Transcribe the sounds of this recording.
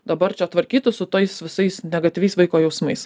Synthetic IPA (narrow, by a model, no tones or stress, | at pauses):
d̪ɐbɐɾt͡ʃʲɛt̪ʋɐɾʲkʲiːt̪ʊsʊt̪ɐɪsʋʲɪsɐɪsnʲɛɡɐt̪ʲɪʋʲɛɪsʋɐɪkoːjɛʊsmɐɪs